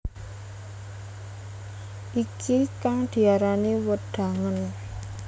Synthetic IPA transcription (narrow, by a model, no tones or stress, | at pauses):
ʔikʰikaŋd̪̥i̤aɾaniwəɖ̪̥a̤ŋən